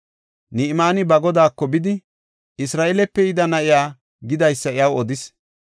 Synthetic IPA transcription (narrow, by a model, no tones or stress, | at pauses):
nɪɪmaːnɪbɐɡɔd̪aːkːɔbɪd̪ɪ | ʔɪsɾaːʔɛlɛpːɛɪd̪ɐnɐʔɪjaː | ɡɪd̪ɐjsːɐɪjɐwɔd̪ɪs